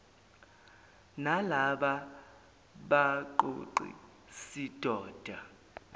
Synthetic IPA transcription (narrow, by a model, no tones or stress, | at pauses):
nalaɓa | ɓaǃo̰ǃḭ | sid̥ʱɔːd̥ʱa